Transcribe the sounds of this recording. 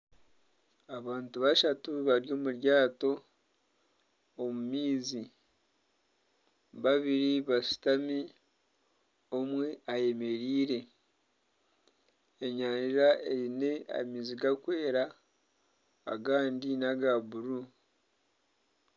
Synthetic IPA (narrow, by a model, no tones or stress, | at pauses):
aβaːntuβaʃatuβaɾjo̞ːmuɾjaːto̞ | mumiːzi | βaβiɾiβasu̥tami | omwe̞aje̞me̞ɾiːɾe̞ | eɲaːniɾaʔeɾine̞a̰miːziɡakwe̞ːɾa | ɡaːndinaɡaβuɾu